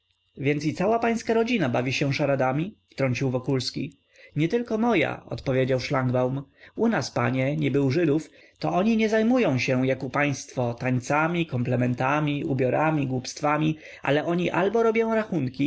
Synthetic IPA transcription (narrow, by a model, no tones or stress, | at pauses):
vʲjɛntsit̪sawapaj̃skaɾɔd͡ʑinabavʲiɕɛ̃ʂaɾad̪amʲift̪ɾɔɲʲt͡ɕiwvɔkulskʲḭ | ɲɛt̪ɘlkɔmɔja̰ɔ̰t̪pɔvʲjed͡ʑawʂlaŋɡbawmunaspa̰ɲɛɲɛbɘwʐɘd̪uf | t̪ɔɔɲiɲɛzajmujɔ̃w̃ɕɛjakupaj̃st̪fɔt̪aɲt̪samʲikɔmplɛmɛnt̪amʲiṵbʲjɔɾamʲiɡwupst̪famʲi | ʔa̰lɛʔɔɲiʔalbɔɾɔbʲjɔ̃w̃ɾaxunkʲi